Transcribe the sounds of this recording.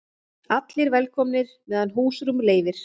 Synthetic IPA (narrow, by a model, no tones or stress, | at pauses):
at̪lɪɾvɛlkʰɔmnɪɾ̥ | mɛːðanɦuːsɾʏmleːjvɪɾ̥